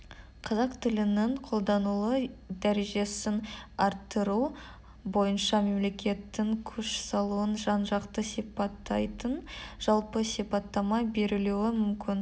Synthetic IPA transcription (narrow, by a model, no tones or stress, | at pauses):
qʰɑzɑqt̪ʰɪlɪnɪɴqʰo̞lˠd̪ɑnulˠəd̪æɾe̞ʒe̞sɪnɑɾt̪ːəɾu | bo̞jənʃɑme̞mle̞kʲe̞t̪ːɪŋkʲʰɵʃsɑlˠuwənʒɑnʒɑqt̪əsijpɑt̪ːɑjt̪ənʒ̥ɑlˠpəsijpɑt̪ːɑmɑbe̞ɾɪluɪmʏmkʲɪn